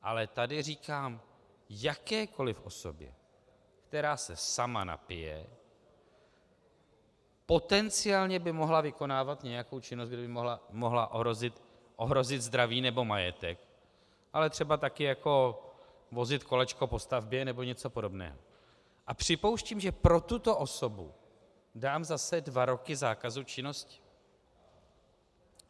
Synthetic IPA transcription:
ʔalɛt̪adɪriːkaːm | jakɛːkʰo̞lɪfʔo̞so̞bjɛ̰ | kt̪ɛɾaːsɛsama̰na̰pɪjɛ̰ | po̞t̪ɛnt͡sɪaːlɲɛbɪmo̞ɦlavɪko̞naːvat̪ɲɛjako̞wt͡ʃɪnost̪ɡdɪbɪmoɦlamo̞ɦlaʔoɦɾo̞zɪt̪ | ʔo̞ɦɾo̞zɪd̪zd̪ɾaviːnɛbo̞majɛt̪ɛk | ʔalɛt̪r̝̥ɛbat̪akɪjako̞ | vo̞zɪt̪ko̞lɛt͡ʃko̞po̞st̪avbjɛnɛbo̞ɲɛt͡sopo̞do̞bnɛ̰ːɦo̰ | ʔapr̝̥ɪpo̞wʃciːmʒɛpɾo̞t̪ut̪o̞ʔo̞so̞bṵ | daːmzasɛdvaɾo̞kɪzaːkazut͡ʃɪno̞scɪ̥

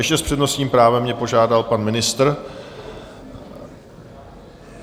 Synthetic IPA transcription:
jɛʃcɛspr̥ɛdno̞sɲiːmpɾaːvɛmːɲɛpo̞ʒaːdalpanmɪnɪst̪r

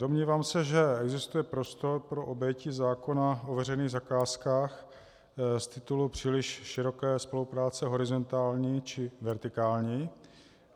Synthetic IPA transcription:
domɲiːvaːmsɛʒɛʔɛɡzɪst̪ujɛpɾo̞st̪o̞ɾpɾoʔobjɛcizaːko̞naʔovɛrɛjniːɣzakaːskaːx | st̪ɪt̪ulupr̝̥iːlɪʃʃɪɾo̞kɛːspo̞lupɾaːt͡sɛɦo̞ɾɪzo̞nt̪aːlɲiːt͡ʃɪvɛɾt̪ɪkaːlɲiː

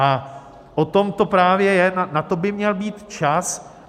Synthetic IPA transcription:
ʔa | ʔot̪o̞mt̪o̞pɾaːvjɛjɛnanat̪o̞bɪmɲɛlbiːt̪t͡ʃas

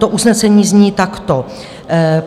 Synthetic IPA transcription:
t̪oʔusnɛsɛɲiːzɲiːt̪akt̪o

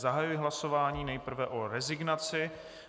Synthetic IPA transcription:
zaɦajujɪɦlaso̞vaːɲiːnɛjpr̩vɛʔo̞ɾɛzɪɡnat͡sɪ

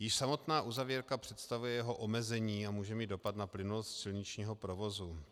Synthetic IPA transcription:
jɪʃsamo̞t̪naːʔuzavjɛɾkapr̝̥ɛt̪st̪avujɛjɛɦo̞ʔomɛzɛɲiːamuːʒɛmiːd̪̚o̞pat̪naplɪnulost̪sɪlɲɪt͡ʃɲiːɦo̞pɾo̞vo̞zu

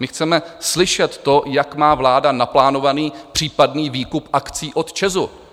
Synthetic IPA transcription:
mɪxt͡sɛmɛslɪʃɛt̪ːo̞jakmaːvlaːdanaplaːno̞vaniːpr̝̥iːpadniːviːkupʔakt͡siːʔo̞t̪t͡ʃɛzu

